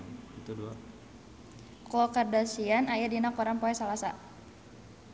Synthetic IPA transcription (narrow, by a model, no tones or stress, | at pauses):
it̪udua | klɔkardasianajadinakɔɾaŋpɔɛsalasa